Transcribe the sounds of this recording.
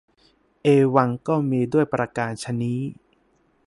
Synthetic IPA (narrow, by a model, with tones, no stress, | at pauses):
ʔeː˧wa˧ŋkɔː˥˩miː˧du˥˩əjpɾa˧kaː˧nt͡ɕʰa˧niː˦˥